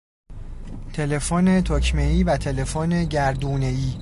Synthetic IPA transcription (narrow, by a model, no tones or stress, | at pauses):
t̪ʰe̞le̞foːne̞t̪ʰocʰmeiːvæt̪ʰe̞le̞foːne̞ɟæɾd̪uːneiː